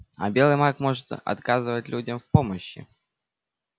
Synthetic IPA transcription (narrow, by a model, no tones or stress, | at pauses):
ɐ̰bʲe̞lˠɨmakmo̞ʐɨt̪ɐ̰t̪kazɨvətʲlʲudʲəmfpo̞məɕːɪ̰